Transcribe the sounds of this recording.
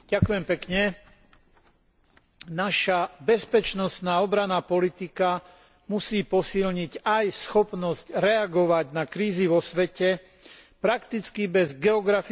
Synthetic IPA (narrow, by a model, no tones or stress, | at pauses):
ɟ̥akujɛmpɛkɲɛ | naʃabɛspɛt͡ʃnɔst̪naːɔbɾanaːpɔlit̪ika | musiːpɔsilɲiɟajsxɔpnɔzcɾɛaɡɔʋaɟnakɾiːziʋɔsʋɛcɛ | pɾakt̪it͡skibɛzɡɛɔɡɾafi